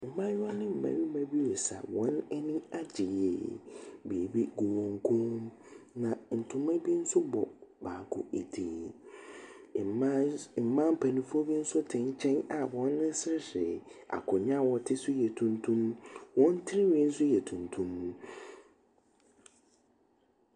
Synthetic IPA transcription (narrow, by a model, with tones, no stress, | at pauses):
m̩˨mã˦ɲ˦ã˦nɪ̃˦m̩˨mã̰˨˦ɥi˦mã˦bi˦wɔ˨sa̰˨wɔ̃˨˦nɛ˦nĩ˦a˦d͡ʑɪ˨jɛ̰˨be˨e˨bi˦ɡu˨wɔ̃˨ŋ˦kʰũ˦m | nã˨n̩˨tʰʊ̃˨mã˦bi˦n̩˦sʊ˦bɔ˨baː˨kʰʊ̰˨ʔe˨tʰi˨n˨˦˨ | m̩˨mã˦m̩˦pʰa˨nũ˨fɔ˦bi˦n̩˦sʊ˦tʰɪ̃˨ɲ˦t͡ɕʰɛ̃˦na˨wɔ̃˦nːɪ̃˦sɪ˦ɾɪ˦sɪ˨a̰˨kʰʊ˨ɲã˦wɔ˦tʰɪ˦sʊ˦jɛ˨tʰũ˨ntʰũ˦mwɔ̃˦n˦tʰɪ˦ɾɪ˦wĩ˦n̩˦sʊ˦jɛ˨tʰũ˨ntʰũ˦mː˨